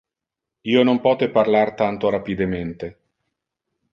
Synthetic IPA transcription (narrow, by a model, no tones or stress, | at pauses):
iːonompɔːt̪eparlart̪ant̪oɾapid̪ament̪e